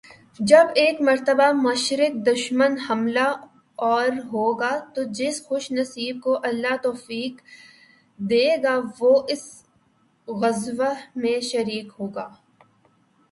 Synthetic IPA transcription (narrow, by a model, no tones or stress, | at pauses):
d͡ʒɐbeːkmɐɾt̪əbamɐʃɾɪk̚d̪ʊʃmənhɐmla | ɔːɾɦoːɡaːt̪od͡ʒɪsxʊʃnɐsiːb̚koʔɐlːat̪ɔːfiːk | d̪eːɡaːʋoːʔɪs | ɣɐzʋəmẽʃɐɾiːkɦoːɡaː